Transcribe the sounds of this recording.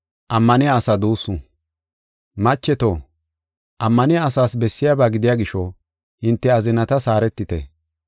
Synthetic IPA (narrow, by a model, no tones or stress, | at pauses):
ʔɐmːɐnɪjaːsɐd̪uːsːʊ | mɐt͡ʃːɛt̪oː | ʔɐmːɐnɪjaːsaːsbɛsːɪjaːbaːɡɪd̪ɪjaːɡɪʃɔ | hɪnt̪ːɛɐzɪnɐt̪ɐsaːɾɛt̪ːɪt̪ɛ̰